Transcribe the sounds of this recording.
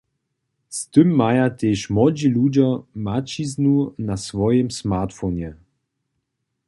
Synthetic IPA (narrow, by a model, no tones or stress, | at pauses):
st̪ɨmːajat̪eːʃmɔd͡ʑilud͡ʑamat͡ʃiznunasvɔjɪmsmat̪fɔnʲɛ